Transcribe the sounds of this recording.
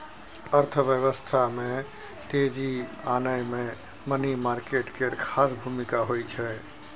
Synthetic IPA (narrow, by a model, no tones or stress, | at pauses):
əɾt̪ʰəʋjəʋəst̪ʰamẽ | t̪ed͡ʒianəjmẽ | mənimaɾkeʈkeɾkʰasbʱumikaɦojt͡ʃʰɛ